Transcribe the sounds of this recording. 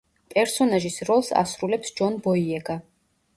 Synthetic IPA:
pʼɛɾsɔnaʒisɾɔlˠsa̰sɾulɛpsd͡ʒɔnbɔiɛɡa

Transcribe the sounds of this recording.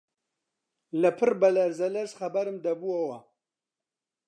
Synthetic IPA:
lɐpʰɨrbɐlɐɾzɐlɐɾsχɐbɐɾɨmd̪ɐbuɐwɐ

